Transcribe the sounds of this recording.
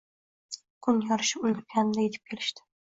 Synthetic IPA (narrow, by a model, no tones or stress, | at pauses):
kʰʊnjɒɾɪʃɪʊlʲd̪ɪɾkʲʰanɪd̪ajet̪ʰɪ̥p̚kʲʰe̞lɪ̥ʃt̪ɪ̥